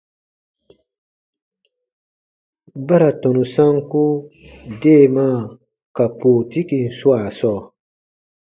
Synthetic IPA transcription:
ba˦ɾa˨tɔ̃˨nũ˨sã˦ŋku˦de˦˨mã˦˨ | ka˨poː˨ti˦ki˨n̩˨su˦a˨sɔː˦˨

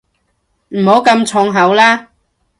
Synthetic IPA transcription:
m̩˨˩ho˨˥wkɐ˧mt͡sʰɔ˧ŋɦɐ˨˥wlaː˥

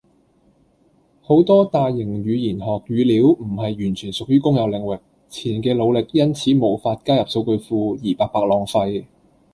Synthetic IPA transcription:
ho˨˥wt̪ɔː˥t̪aː˨˧jːɪ˨˩ŋɥyː˨˧jiː˨˩nɦɔː˨˩k̚ɥyː˨˧liː˨˥wm̩˨˩ɦɐ˨jːyː˨˩nt͡ʃʰyː˨˩nsʊ˨k̚jyː˥kʊ˥ŋjɐ˨˧wlɪ˨˩ŋwɪ˨k̚ | t͡sʰiː˨˩nkɛː˧lo˨˧wlɪ˨k̚jɐ˥nt͡sʰiː˨˥mo˨˧wfaː˧t̚kaː˥jɐ˨p̚so˧wkɵ˧ɥfuː˧jiː˨˩paː˨˧k̚paː˨˥k̚lɔː˨˩ŋfɐ˧j

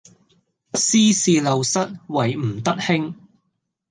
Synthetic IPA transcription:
siː˥siː˨˧lɐ˨˧wsɐ˥t̚wɐ˨jm̩˨˩t̪ɐ˥t̚hɪ˥ŋ

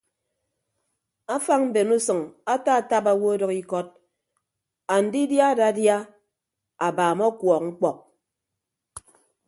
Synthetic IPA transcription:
a˦fa˦ŋm̩˦be˨nu˦sʌ˨ŋa˦ta˦˨ta˦pa˨wo˦dɔ˨ki˦kɔ˦t̚ | a˨n̩˨di˦dja˦da˦dja˦ | a˨baː˨mɔ˦kwɔ˨k̚ŋŋ͡m̩˦k͡pɔ˨k̚

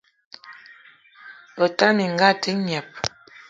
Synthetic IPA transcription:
ɔ˨ta˦mi˨ŋ˨ɡa˦ti˦ɲ˨a˨p̚

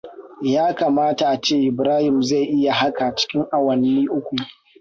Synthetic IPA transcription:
jaː˦ka˨maː˦ta˨ʔa˨t͡ʃeː˦ʔɪ˨bɾaː˦hɪ˨mza˦˨jʔɪ˦ja˨ɦa˦ka˨t͡ʃɪ̥˦kʲɪ˦ŋʔa˨wɐ˨nːiː˦ʔʊ˦kʷu˨

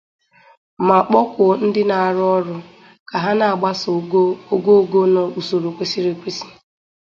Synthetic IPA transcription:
ma˨k͡pɔ˦kʷʊ˨n̩˦dɪ˦na˨a˨ɾʊ˦ɔ˦ɾʊ˦ | ka˨ɦa˦na˨a˨ɡ͡ba˦so˨ɡo˦˨ɡo˦na˨u˨so˨ɾo˨kʷe˦si˦ɾe˨kʷi˦si̥˦˨

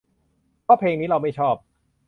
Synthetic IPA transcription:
pɔː˥˩pʰeː˧ŋniː˦˥ɾa˧wma˥˩jt͡ɕʰɔː˥˩p̚

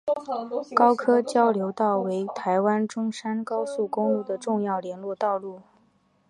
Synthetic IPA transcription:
kɑ˥ʊkʰɤ˥t͡ɕjɑ˥ʊljo˧˥ʊt̪ɑ˥˩ʊwe˧˥ɪt̪ʰa˧˥ɪwa˥nʈ͡ʂʊ˥ŋʂa˥nkɑ˥ʊsu˥˩kʊ˥ŋlu˥˩d̪ə˩ʈ͡ʂʊ˥˧ŋjɑ˥˩ʊljɛ˧˥nlwɔ˥˧t̪ɑ˥˧ʊlu˥˩

